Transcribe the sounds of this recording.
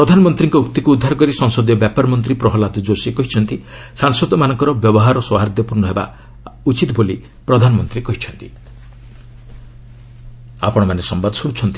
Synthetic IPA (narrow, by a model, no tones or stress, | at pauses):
pɾɔd̪ʱanɔmɔnt̪ɾiŋkɔuk̚t̪ikuːd̪ʱːaɾɔkɔɾisɔŋsɔd̪jɔbjapaɾmɔnt̪ɾipɾɔɦɔlad̪ɔd͡ʒosikɔɦit͡ʃʰɔnt̪i | saŋsɔd̪ɔmanɔŋkɔɾɔbjɔbɔɦaɾɔswɔɦaɾd̪jɔpuɾnɔɦeba̰ | ut͡ʃit̪boli | pɾɔd̪ʱanɔmɔnt̪ɾikɔɦit͡ʃʰɔnt̪i̥ | a̰pɔɽ̃ɔmanesɔmbad̪ɔsuɽ̃ut͡ʃʰɔnt̪i